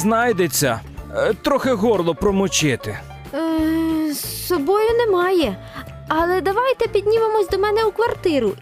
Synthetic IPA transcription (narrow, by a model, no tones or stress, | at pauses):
znɑjd̪et͡sʲːɐ | t̪ɾɔxɪɦɔrlˠɔpɾɔmʊt͡ʃɪt̪ɪ̰ | sɔbɔjʊnɛmɑjɛ | ɐlˠɛd̪ɐʋɑjt̪ɛpʲid̪ʲnʲiʋemɔsʲd̪ɔmɛnɛukʋɐrt̪ɪɾʊ